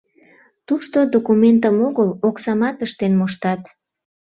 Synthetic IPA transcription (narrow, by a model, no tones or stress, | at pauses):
t̪uʃt̪od̪okument̪əmoɣəloksɑmɑt̪əʃt̪enmoʃt̪ɑt̪